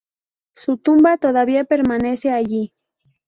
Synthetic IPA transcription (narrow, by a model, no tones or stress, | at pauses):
sʊt̪ʊmbat̪oðaβiapeɾmaneseaʎi